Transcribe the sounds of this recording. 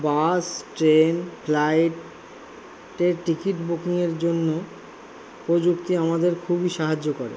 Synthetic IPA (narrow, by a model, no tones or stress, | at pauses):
basʈɾenpʰlajʈ | ʈeɾʈɾikiʈbukiŋeɾd͡ʑonːo | pɾod͡ʑukt̪iamad̪eɾkʰubiʃaɦad͡ʑːokoɾḛ